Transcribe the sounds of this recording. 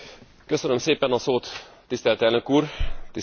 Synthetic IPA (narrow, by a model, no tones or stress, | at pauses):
køsønømseːpɛnɒsoːt̪ː | ist̪ɛlt̪ɛlnøkuːrt̪i